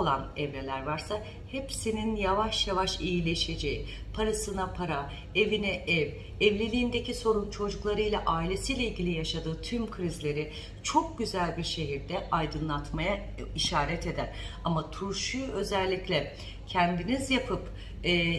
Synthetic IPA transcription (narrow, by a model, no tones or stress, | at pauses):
olˠanɛvɾe̞lʲæɾvaɾsa | hepsininjavaʃjavaʃijilʲeʃed͡ʒei | pʰaɾasɯnapʰaɾa | e̞vinɛʔɛv | ɛvlʲelʲiːnd̪e̞cʰiso̞ɾunt͡ʃʰo̞d͡ʒuklˠaɾɯjlʲˠaʔaːilʲe̞sijlʲeilʲɟʲilʲijaʃad̪ɯːt̪ʰymkʰɾizlʲe̞ɾɪ | t͡ʃʰo̞k̚ɟyzælʲbiɾʃe̞ɦiɾd̪ɛʔajd̪ɯnlˠat̪maja | iʃaːɾɛt̪e̞d̪ænamat̪ʰuɾʃuø̞zɛlʲːiclʲɛ | cʰænd̪inizjapʰɯpː